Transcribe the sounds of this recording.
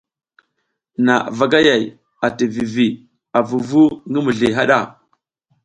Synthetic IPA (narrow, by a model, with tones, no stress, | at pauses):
na˨va˨ɡa˦ja˨j | a˨ti˨vi˨vi˨ | a˨vu˨vu˦ŋə˦mu˨ɮi˨ɦa˦ɗa˦˨